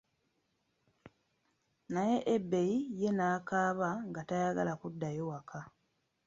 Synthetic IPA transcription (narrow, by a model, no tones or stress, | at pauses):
naje̞ʔebːe̞jije̞naːkaːβaŋɡatajaɡalakudːajo̞wakʰa